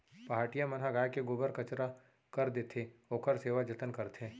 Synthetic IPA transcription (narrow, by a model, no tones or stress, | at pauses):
paːɦʈijamɐnɦaɡaːjkeɡʊbəɾkɐt͡ʃɾa | kɐɾd̪eːt̪ʰeoːkʰəɾseːʋad͡ʒɐt̪ənkɐɾt̪ʰe